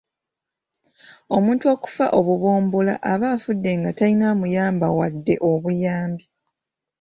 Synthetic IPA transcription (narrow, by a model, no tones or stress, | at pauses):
o̞muːntuo̞ːku̥fa̰ʔo̞βuβoːmbula̰ʔaβaːfudːe̞ŋɡatainaːmujaːmbawadːe̞ʔo̞βujaːmbi